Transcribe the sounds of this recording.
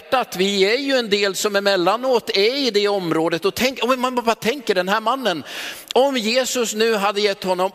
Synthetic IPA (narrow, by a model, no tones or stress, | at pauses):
ʈːat̪vɪæɾjɵɛnd̪eːlsɔmæɾmɛlːanoːt̪ɛɾɪd̪ɛɔmːɾoːd̪ət̪ɔt̪ʰɛŋkːmɛvvat̪ʰɛŋkəɖɛnɦæːɾmanːənɔmjeːsɵsnʉ̟ːɦad̪ːəjɛt̪ːhɔnːɔm